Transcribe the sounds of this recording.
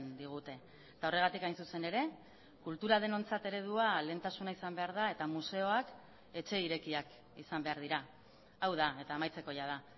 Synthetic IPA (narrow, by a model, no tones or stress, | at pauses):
nd̪iɣ̞ut̪e̞ | t̪ao̞re̞ɣ̞at̪ikajnsuse̞ne̞ɾe̞ | kult̪uɾaðe̞no̞nt͡sat̪e̞ɾe̞ð̞uale̞ːnt̪asunaisambe̞aɾð̞ae̞t̪amuse̞o̞ak | e̞t͡ʃe̞iɾe̞kiak | isambe̞aɾðiɾa | awð̞ae̞t̪aːmajt͡se̞ko̞jað̞a